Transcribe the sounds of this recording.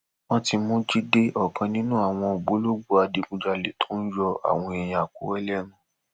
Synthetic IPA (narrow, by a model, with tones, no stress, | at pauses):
wɔ̃˦ti˧mũ˦d͡ʒi˦de˦ʔɔ˨kʰã˧nĩ˦nũ˦a˦˨w̃ɔ̃˧o˨ɡ͡bo˨˦lo˦ɡ͡bu˦a˨di˧ɡũ˧d͡ʒa˧le˨˦tʰo˦n̩˦jɔ˧a̰˨w̃ɔ̃˧ɛ˨j̃ã˨a˨ko̰˨˦wɛ˦lɛ˦nũ˨˦